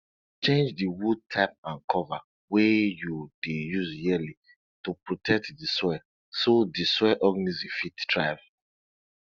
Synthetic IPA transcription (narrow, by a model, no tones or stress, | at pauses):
t͡ʃẽnd͡ʒdiwud̚tʰaɪp̚ãnkʰɔva | wɛjudejuzjili | tupɹotʰɛk̚tdisɔɛ | sodisɔʔɔɡnizifitdɹaɪv